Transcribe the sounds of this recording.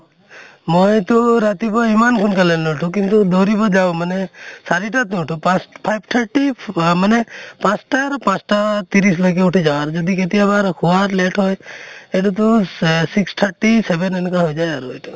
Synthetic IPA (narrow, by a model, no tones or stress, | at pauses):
mɔjt̪oɾat̪ibɔimankʰunkalenõʈʰũkint̪ud̪oɾibɔd͡ʒaõmənesaɾiʈat̪nuʈʰũpãsʈpʰajbt̪ʰəɾʈimənepãsʈaɾpãsʈat̪iɾislək̬euʈʰid͡ʒaʋaɾd͡ʒɔd̪iket̪̬ijabaɾkʰuʋaɾleʈʰɦoːjeʈut̪̬usiksʈ̪ʰəɾʈiseʋenenkaɦojd͡ʒajaɾojt̪u